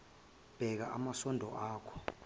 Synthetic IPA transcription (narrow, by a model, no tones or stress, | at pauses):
b̥ʱɛk̬aʔamasɔndʱɔʔaːkʰɔ̥